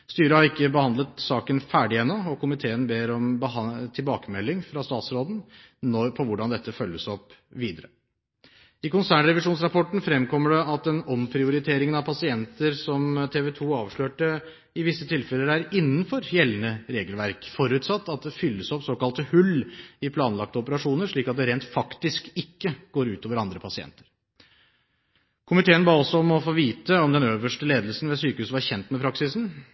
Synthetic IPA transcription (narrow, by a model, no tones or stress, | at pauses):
st̪yːɾəhɑɾɪkːəbəhɑnd̪lət̪sɑːkənfæːɖɪɛnːɔɔkʰʊmɪt̪ʰeːənbeːɾɔmbət̪ʰɪlbɑːkəmɛlːɪŋfɾɑst̪ɑːt̪sɾoːd̪n̩ | nɔpʰɔʋʊɖɑnd̪ɛt̪ːəfœlːəsɔpːʋiːd̪əɾə | ɪkʊnsæːɳɾɛʋɪʂuːnsɾɑpʰɔʈn̩fɾɛmkʰɔmːəɖɛɑt̪ɛnɔmpʰɾɪʊɾɪt̪ʰeːɾɪŋənɑʋpʰɑsɪɛnt̪əɾsɔmt̪ʰeːʋɛt̪ʰuːɑːʋʂɭøːʈə | ɪʋɪsːət̪ʰɪlfɛlːəɖæːɾɪnːənfɔɾjɛlːənəɾeːɡəlʋæɾkfɔɾʉːt̪sɑt̪ːɑt̪̚d̪ɛfʏlːəsɔpsoːkɑlt̪əhʉlːɪpʰlɑːnlɑk̚t̪əɔpəɾɑʂuːnəʂɭiːkɑt̪̚d̪ɛɾeːnt̪fɑkt̪ɪskɪkːəɡ̥oːɾʉːt̪oːʋəɾɑnd̪ɾəpʰɑsɪɛ̰nt̪ə̥ɾ | kʰʊmɪt̪ʰeːənbɑːɾɔsːɔɔmɔfoːʋiːt̪əɔmd̪ɛnøːʋəʂʈəleːd̪əlsn̩ʋɛsyːkəhʉːsʋɑɾçɛnt̪mɛpʰɾɑksɪsn̩